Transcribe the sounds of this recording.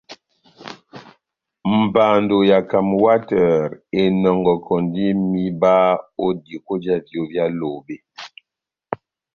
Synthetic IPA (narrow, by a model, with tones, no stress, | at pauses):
m̩˨baː˨ndo˨ja˨ka˨mwa˦tɛ˨ɾe˨nɔ˨ŋɡɔ˨kʰɔ˨ndi˦mi˦ba˦o˦di˨ko˦d͡ʒa˦vjo˦bja˦lo˨be˦